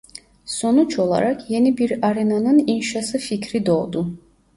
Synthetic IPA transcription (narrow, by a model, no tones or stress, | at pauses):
so̞nut͡ʃʰo̞lˠa̰ɾɑkʰje̞nibiɾaɾenanɯninʃasɯficʰɾid̪o̞ʁˠd̪u